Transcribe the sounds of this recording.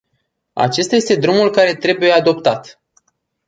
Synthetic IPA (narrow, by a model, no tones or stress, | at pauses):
a̰t͡ʃe̞st̪aje̞st̪e̞d̪ɾumulkaɾe̞t̪ɾe̞buje̞ad̪o̞pt̪at̪